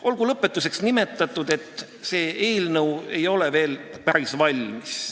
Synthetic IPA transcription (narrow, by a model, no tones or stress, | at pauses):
ʔo̞lɡ̥ulɤpːˑe̞t̪ːˑuse̞ksnime̞t̪ːˑɑt̪ˑːud̪̥e̞t̪ˑː | se̞ːe̞ːlnɤwe̞jo̞leve̞ːl | pæɾisvɑlʲmis